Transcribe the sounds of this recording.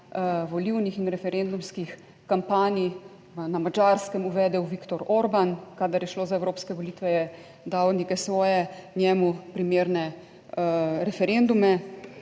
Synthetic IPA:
ʋɔliwnixinɾɛfɛɾend̪umskix | kampaːni | namad͡ʒaɾskɛmuʋɛːd̪ɛwʋikt̪ɔɾoːɾbankad̪aɾjɛʃloːzaɛwɾoːpskɛʋɔliːt̪ʋɛjɛ | d̪awnikɛsʋɔːjɛnjɛːmupɾimeːɾnɛ | ɾɛfɛɾend̪umɛ

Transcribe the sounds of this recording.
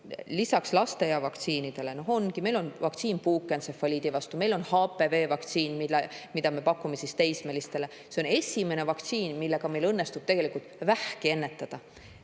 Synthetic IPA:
lisɑkslɑst̪e̞jɑvɑkt̪siːnid̪̥e̞le̞no̞ɦo̞nɡime̞jlo̞nvɑkt̪siːnpuːkːˑensefɑlʲiːd̪̥ivɑst̪ume̞jlo̞nhɑːpːˑe̞ve̞ːvɑk̚t̪siːnmilemid̪ɑme̞pɑkːume̞sist̪ejsmelist̪e̞le̞ | seone̞sʲime̞ne̞vɑkt̪siːnmilːe̞ɡ̥ɑme̞jlɤnːest̪ub̥̚t̪e̞ɡ̥e̞likult̪væhkie̞nːet̪ːˑɑd̪̥ɑ

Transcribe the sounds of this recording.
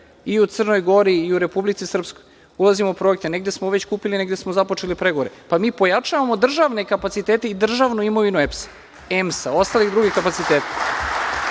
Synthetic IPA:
iut̪sr̩no̞jɡo̞ɾiːuɾe̞publit̪sisr̩pskoj | ulˠazimoupɾo̞ek̚t̪eneɡd̪e̞smoʋe̞t͡ɕkuːpiline̞ɡd̪e̞smozapo̞t͡ʂe̞lipɾeɡoʋoɾepamiːpo̞jat͡ʂaʋamo̞d̪r̩ʒaʋnekapat̪sit̪eːt̪e̞id̪r̩ʒaʋnuimo̞ʋinuepsḁ | emsao̞st̪aːlixd̪ɾuɡixkapat̪sit̪eːt̪ḁ

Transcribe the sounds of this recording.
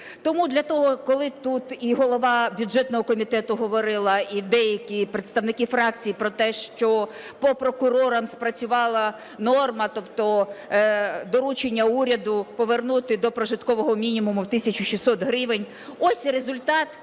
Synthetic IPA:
t̪ɔmud̪lʲɐt̪ɔɦɔkɔlˠɪt̪ut̪iɦɔlˠɔʋɑbʲjʊd͡ʒɛt̪nɔɦɔkɔmʲit̪ɛt̪ʊɦɔʋɔɾɪlˠɐid̪ɛjɐkʲipɾet̪st̪ɐʋnɪkʲifɾɑk̚t͡sʲijipɾɔt̪ɛʃt͡ʃɔ | pɔpɾɔkʊɾɔɾɐmspɾɐt͡sʲʊʋɑlˠɐ | nɔrmɐt̪ɔpt̪ɔ | d̪ɔɾut͡ʃenʲːɐuɾʲɐd̪ʊpɔʋernut̪ɪd̪ɔpɾɔʒɪt̪kɔʋɔɦɔmʲinʲimʊmʊwt̪ɪsʲɐt͡ʃʊʃisɔt̪ɦɾɪʋɪnʲ | ɔsʲɾezʊlʲt̪ɑt̪

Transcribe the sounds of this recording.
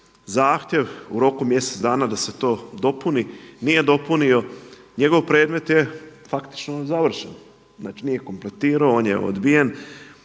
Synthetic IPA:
zaːxt̪je̞ʋuɾo̞kumje̞se̞t̪d̪aːnad̪ase̞t̪o̞ːd̪o̞puninije̞d̪o̞punio̞ɲe̞ɡo̞ʋpɾe̞ːd̪me̞t̪je̞fakt̪i̥t͡ʃnozaʋr̩ʃen | znaːt͡ʃinije̞ko̞mple̞t̪iːɾaooːnjḛo̰d̪bijen

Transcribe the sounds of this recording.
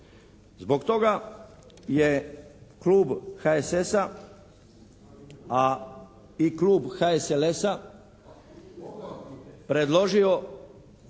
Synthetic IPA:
zbo̞kt̪o̞ɡa | jekluːbxaesesa | a | ikluːbxaeselesa | pɾe̞d̪lo̞ʒio̞

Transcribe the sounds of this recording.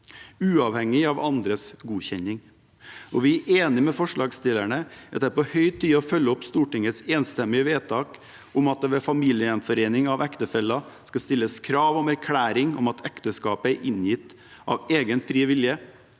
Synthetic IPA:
ʉːɑʋhɛŋːɪɑʋɑnd̪ɾəsɡuːçɛɲɪŋ | ɔʋɪæʔeːnɪmɛfɔʂɭɑːɡst̪ɪlæɳəɛt̪ːɛpɔhœʏt̪ʰiːɔfœlːəɔpst̪uːʈɪŋət̪seːnst̪ɛmɪəʋeːt̪ʰɑːk | ʊmɑt̪̚d̪ɛʋɛfɑmiːljəɛnfɔɾeːnɪŋɑʋækt̪əfɛlːɑskɑst̪ɪlːəskʰɾɑːʋɔmæɾkʰlæːɾɪŋɔ̰mɑt̪ʰækt̪əskɑːpəæɾʔɪnjɪt̪ː | ʔɑ̰ʋeːɡənfɾiːʋɪljə

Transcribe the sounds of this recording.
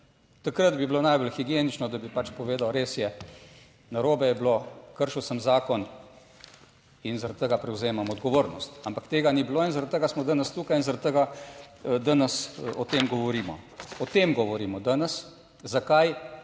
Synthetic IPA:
t̪akɾət̪biblonajbolxiɡjeːnit͡ʃnɔd̪abipat͡ʃpɔʋeːd̪awɾeːsjɛ | naɾoːbɛjɛblokəɾʃiwsəmzaːkɔn | inzaɾat̪t̪əɡapɾɛwzeːmamɔd̪ɡɔʋoːɾnɔst̪ampakt̪eːɡanibiloːinzaɾad̪̚t̪əɡasmɔd̪anəst̪uːkajinzaɾat̪̚t̪əɡa | d̪anəsɔt̪eːmɡɔʋɔɾiːmɔ̰ɔt̪eːmɡɔʋɔɾiːmɔd̪anəs | zakaj

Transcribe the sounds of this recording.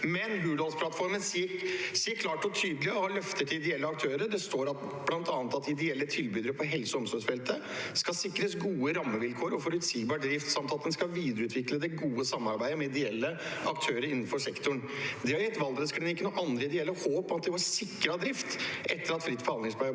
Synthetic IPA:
mɛnbʉːlɔnspʰlɑt̪fɔɾmənssiːəɾkʰlɑːʈɔt̪ʰyːd̪lɪɔhɑlœft̪ət̪ʰɪɪd̪ɛɛlːəɑk̚t̪ʰøːɾəɖ̪ɛst̪oːɾɑt̪ | b̥lɑnt̪ɑːnət̪ɑt̪ɪd̪ɛɛlːət̪ʰɪlbyːd̪əɾəpʰɔɦɛlsɔɔmsɔsfɛlt̪ə | skɑsɪkːɾəsɡuːəɾɑmːəʋɪlkʰoːɾɔfɔɾʉt̪siːɡbɑːɖɾɪft̪sɑmt̪ɑt̪̚d̪ɛnskɑʋiːd̪əɾəʉːt̪ʰʋɪkləd̪ɛɡuːəsɑmːɑɾbæɪd̪əmɛɪd̪ɛɛlːəɑkt̪ʰøːɾəɾɪnːn̩fɔʂɛkt̪ʊɳd̪ɪhɑɾjɛt̪ːʋɑlˠd̪ɾəskʰɾɪnɪkːənuːʔɑnd̪ɾəɪd̪ɛɛlːəhoːpɔmɑt̪d̪ɪʋɑɾsɪkːɾɑd̪ɾɪft̪ʔɛt̪ːəɾɑt̪fɾɪt̪ːbəhɑnd̪ɪŋsb̪ɑ

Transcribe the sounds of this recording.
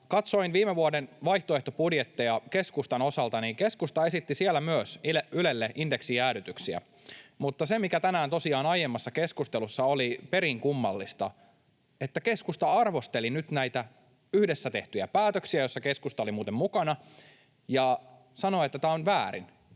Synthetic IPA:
kɑt̪so̞inʋiːmeʋuodenʋɑjht̪oeht̪opudjet̪ːejɑke̞skust̪ɑno̞sɑlt̪ɑniːŋke̞skust̪ɑe̞sit̪ːisielːæmyøsylelːeʔindeksiæːɾyt̪yksiæ̰ | mut̪ːɑsemikæt̪ænæːnt̪o̞siɑːnɑjemːɑsːɑkeskust̪elusːɑolipe̞ɾiŋkumːɑlːist̪ɑ̰ | e̞t̪ːæke̞skust̪ɑɑrʋo̞st̪e̞linyt̪næjt̪æ | yhdesːæt̪e̞ht̪yjæpæːt̪øksiæjosːɑke̞skust̪ɑolimuːt̪emmukɑnɑ | jɑ | sɑnoet̪ːæt̪æːonʋæːɾḭn

